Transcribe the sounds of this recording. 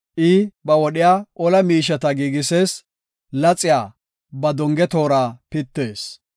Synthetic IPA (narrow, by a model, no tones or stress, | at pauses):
ʔɪbɐwɔɗɪjaːʔɔlɐmiːʃ̬ɐt̪ɐɡiːɡɪseːs | lɐt͡sʼːɪjaː | bɐd̪ɔŋɡɛt̪o̞ːɾaːpɪt̪ːeːs